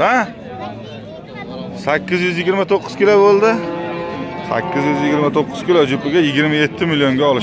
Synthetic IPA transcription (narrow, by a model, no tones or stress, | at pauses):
a | sakʲːɪzjʏzjɪɡʲɪɾmat̪ʰoqʰːɨ̥zkʲʰɪlabolˠd̪ɪ | sa̰kʲʰːɪzjʏzjɪɡʲɪɾmat̪ʰoqːɨz̥kʲɪlad͡ʒʊpɪɡʲajɪɡʲɪɾmaje̞t̪ʰːɪmiljoŋɡʲaɒlɪʃ